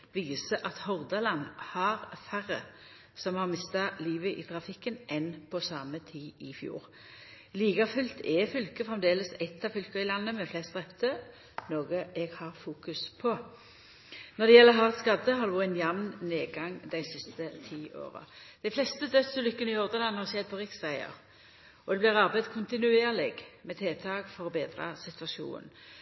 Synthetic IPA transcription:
ʋiːsəʔɑt̪hɔʁd̪ɑlɑnhɑʁfæʁə | sɔmhɑʁmɪst̪ɑliːʋəʔḭːt̪ʰʁɑfɪkːənʔɛnpʰɔsɑːmət̪ʰiːɪfjṵːʁ | liːɡɑfʉlt̪ʰɛfʏlkəfʁɛmd̪eːləsɛt̪ʰːɑfʏlkəɪlɑnːəmɛflɛst̪d̪ʁɛpt̪ʰə | noːɡəʔɛɡhɑʁfuːkʉspʰɔ | nɔd̪ɛjɛlːəɦɑʁt̪skɑd̪əɦɑʁd̪ʉɛnjɛmnneːɡɑŋd̪æɪsɪst̪ət̪ʰiːʔo̰ːʁɑ̰d̪̥æɪflɛst̪əd̪œt̪səlʏkːənəɪɔʁd̪ənlɑnəhɑʁsɛd̪̚pʰɔʁɪksæɪə̰ʁ | ɔd̪ɛblɪʁɑʁbæɪd̪kʰʊnt̪ɪnʉeːʁlɪɡmɛt̪ʰeːt̪ʰɑːɡfɔɾɔbeːd̪ɾɑ̰sɪt̪ʋɑʃṵːnən̩

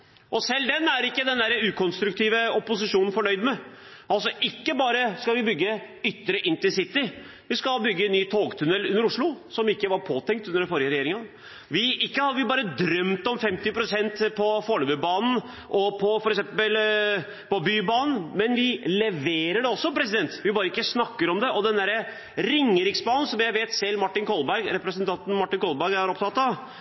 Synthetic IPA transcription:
ʔɔsɛlːd̪ɛnːæɾɪkːəd̪ɛnd̪æɾəʉːkʰɔnst̪ɾʉkt̪ʰiːʋəɔpːʊsɪʂuːnn̩fɔɳœʏd̪mɛʔɑls̬ɔʔɪkːəbɑːɾəskɑʋɪbʏɡːə | ʏt̪ːəɾəʔɪnt̪ɪsɪt̪ːɪ | ʋɪskɑbʏɡːəɛnːyːt̪ʰoːɡt̪ʰʉnɛlʉnːəɾʊʂɭʊsɔmɪkːəʋɑɾpʰoːt̪ʰɛŋkt̪ʉnd̪əɾfɔɾjəɾɛjeːɾɪŋɑ | ʋɪɪkːəhɑd̪ʋɪbɑːɾəd̪ɾœmt̪ɔmfɛmt̪ɪpɾʊsɛnt̪pʰɔfoːɭøməbɑːnn̩ | ʔɔpʰɔfɔɾɛksɛmpəl | pɔbyːbɑːnn̩mɛnʋɪlɛʋeːɾəɖɛɔsːɔpʰɾɛsɪd̪ɛnt̪ʋɪbɑːɾəɪkːəsnɑkːəɾɔmd̪ɛʔɔd̪ɛnd̪æɾə | ɾɪŋːəɾɪksbɑːnn̩sɔmjæɪʋeːt̪sɛlːmɑʈːɪnkʰɔlbæɾɡɾɛpɾɛsənt̪ʰɑnt̪n̩mɑʈːɪnkʰɔlˠbæɾɡæɾɔpt̪ʰɑt̪ːɑ

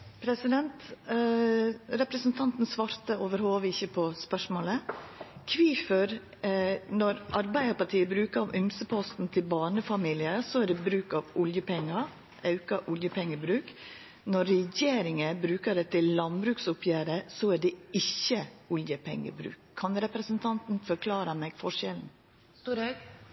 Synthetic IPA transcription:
pʰɾɛsɪd̪ɛnt̪ | ɾɛpɾəsnt̪ʰɑnt̪n̩sʋɑːɾt̪əoːʋəɾhoːʋəɪçəpʰɔspœʂmoːləkʰʋiːfœɾ | nɔɾʔɑɾbæɪəɾpɑʈʰiːəbɾʉːkəɾɑʋʔʏmsəpʰɔst̪n̩t̪ʰɪlbɑːɳəfɑmiːlɪəsɔæɖɛbɾʉːkɑʋʊljəpʰɛŋːɑ | ʔɑʉkɑʔʊljəpʰɛŋːəbɾʉːk | nɔɾːɛjeːɾɪŋəbɾʉːkəɖɛt̪ʰɪlːɑnbɾʉːksʊpʰjæːɾəsɔæɖɛɪçːəʊljəpʰɛ̰ŋːə̰bɾʉ̰ːkʰːɑnɾɛpɾəsənt̪ʰɑnt̪n̩fɔɾkʰlɑːɾɑmɛːɡfɔʂjɛln̩

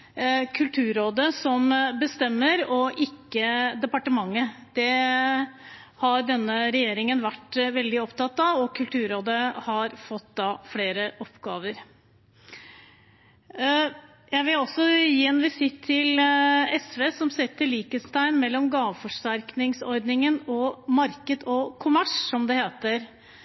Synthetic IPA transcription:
kʰʉlt̪ʰʉːɾoːd̪əsɔmbəst̪ɛmːəɾɔʔɪkːəd̪ɛpɑʈəmɑŋːəd̪̥ɛ | hɑɾɖɛnːəɾɛjeːɾɪŋənʋæʈːʋɛld̪ɪɔpt̪ɑt̪ːɑʋɔkʰʉlt̪ʰʉːɾoːd̪əhɑɾfɔt̪ːd̪ɑːfɽeːɾəʔɔpɡɑːʋəɾ | jæɪʋɪlɔsːɔjiːɛnʋɪsɪt̪ʰːɪlɛsʋeːsɔmsɛt̪ːəɭiːkəst̪ʰæɪnmɛlːɔmɡɑːʋəfɔʂʈæɾknɪŋsɔɾd̪nɪŋənɔmɑɾkəd̪ɔkʰʊmæʂːɔmd̪ɛheːt̪əɾ

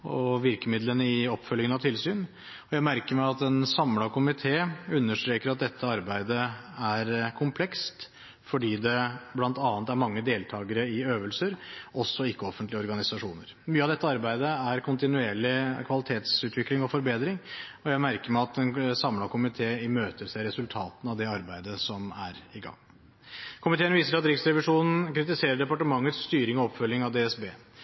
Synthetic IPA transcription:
ɔʋɪɾkəmɪd̪lənəɪɔpːfœljɪŋənɑt̪ʰɪlsyːn | ɔjæɪmæɾkəɾmæɪɑt̪ɛnsɑmlɑkʰʊmɪt̪ʰeːʉnːəʂʈ̪ɾeːkəɾɑt̪̚d̪ɛt̪ʰːəɑɾbæɪd̪əæɾkʰʊmpʰlɛkst̪ | fɔɖiːd̪ɛblɑnt̪ɑːnət̪æɾmɑŋːəd̪eːlt̪ʰɑːɡəɾəɪøːʋəlsəɾɔsːɔɪkːəɔfːənt̪lɪəɔɾɡɑnɪsɑʂuːnəɾ | myːəɑʋd̪ɛt̪ːəɑɾbæɪd̪əæɾkʰʊnt̪ɪnʉeːɭɪkʰʋɑlɪt̪ʰeːt̪sʉːt̪ʰʋɪklɪŋɔfɔɾbeːd̪ɾɪŋɔjæɪmæɾkəɾmɛɑt̪ɛnsɑmlɑkʰʊmɪt̪ʰeːɪmøːt̪əɾʂæɪɾɛsʉlt̪ʰɑːt̪n̩ɑʋd̪ɛɑɾbæɪd̪əsɔmæɾɪɡɑ̰ŋː | kʰʊmɪt̪ʰeːənʋiːsəɖɑt̪ɾɪksɾɛʋɪʂuːnn̩kʰɾɪt̪ɪseːɾəɖɛpɑʈəmɑŋːət̪st̪yːɾɪŋɔɔpfœljɪŋɑʋd̪eːɛsbeː

